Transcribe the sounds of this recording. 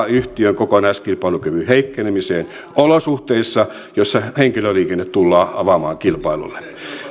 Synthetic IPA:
yht̪iøŋkokonɑiskilpɑilukøʋyheikːenemiseːn | olosuht̪eisːɑ | josːɑheŋkiløliːkenːet̪t̪ulːɑːɑʋɑmɑːŋkilpɑilṵlːe̥

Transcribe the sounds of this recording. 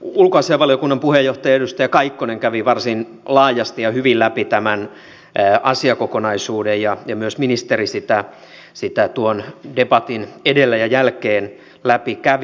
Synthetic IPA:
ulkoɑsiɑʋɑljokunːɑmpuhejoht̪ɑjɑedust̪æjɑkɑikːoneŋkæʋiʋɑrsin | lɑːjɑst̪ijɑhyʋillæpit̪æmænː | ʔɑsiɑkokonɑisuːdejjɑjɑmyøsminist̪erisit̪æ | sit̪æt̪uondebɑt̪inedelːæjɑjælkeːn | læpikæʋ

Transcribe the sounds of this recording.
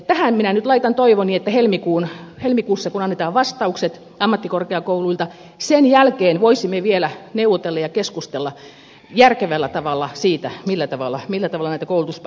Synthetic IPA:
t̪æhænminænyt̪lɑit̪ɑnt̪oiʋoniet̪ːæhelmikuːnhelmikuːsːɑkunɑnːet̪ɑːʋʋɑst̪ɑukset̪ | ɑmːɑt̪ːikorkeɑkouluilt̪ɑ | senjælkeːnʋoisimːeʋielæneuwot̪elːɑjɑkeskust̪elːɑ | jærkeʋælːæt̪ɑʋɑlːɑsiːt̪æmilːæt̪ɑʋɑlːˑɑmilːæt̪ɑʋɑlɑnæit̪ækoulut̪usp

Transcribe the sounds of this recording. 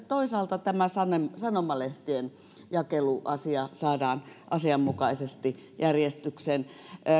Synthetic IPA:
t̪oisɑːlt̪ɑt̪æmæsɑnemsɑnomɑleht̪ien | jɑkeluʔɑsiɑsɑːdɑːnʔɑsiɑmmukɑisest̪i | jærjest̪yksen

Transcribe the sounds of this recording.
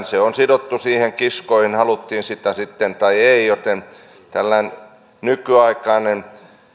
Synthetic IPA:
seonsidot̪ːusiːheŋkiskoihinhɑlut̪ːiːnsit̪æsit̪ːent̪ɑieijot̪en | t̪ælːæin | nykyɑikˑɑinen

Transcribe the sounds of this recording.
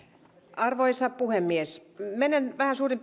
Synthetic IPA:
ɑrʋoisɑppuhemːiesmenenʋæhænsuːrimp

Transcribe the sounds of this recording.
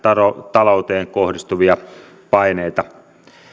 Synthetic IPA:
ɑot̪ɑlout̪eːŋkohdist̪uʋiɑ | pɑineit̪ɑ

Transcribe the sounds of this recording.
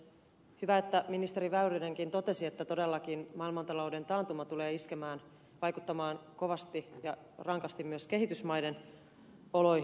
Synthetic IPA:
hyʋæet̪ːæminist̪eɾiʋæyrineŋkint̪o̞t̪e̞siet̪ːæt̪o̞delːɑkinmɑilmɑnt̪ɑlo̞ude̞nt̪ɑːnt̪umɑt̪uleːiskemæːn | ʋɑjkut̪ːɑmɑːnko̞ʋɑst̪ijɑ | rɑŋkɑst̪immyøske̞ɦit̪ysmɑjden | oloi

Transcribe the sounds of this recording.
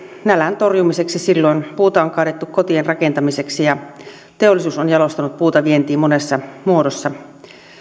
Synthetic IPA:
nælænt̪orjumise̞ksisilːoinpuːt̪ɑoŋkɑˑːdet̪ːukkot̪ienrɑkent̪ɑmiseksijɑ | t̪eolːˑisuːsonjɑlo̞st̪ɑnut̪̚puːt̪ɑʋient̪iːmmonesːɑmuodosːɑ

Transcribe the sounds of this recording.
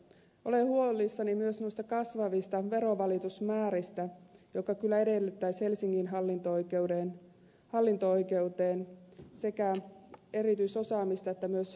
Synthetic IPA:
ʔo̞lehuolˑisːɑnimyøsnoijst̪ɑkɑsʋɑʋist̪ɑʋe̞ɾo̞ʋɑlit̪usmæːɾist̪æjokːˑɑkylːæe̞de̞lːyt̪ːæjshe̞lsiŋkinɦɑlːint̪okewdeːn | hɑlːint̪oo̞jke̞wt̪e̞ːnse̞kæe̞ɾit̪yiso̞sɑːmist̪ɑet̪ːæmyøs

